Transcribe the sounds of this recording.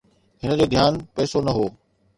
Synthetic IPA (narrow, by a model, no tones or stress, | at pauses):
ɦɪnə̆d͡ʑoːd̪ʱjaːnpɛːsonɐɦoː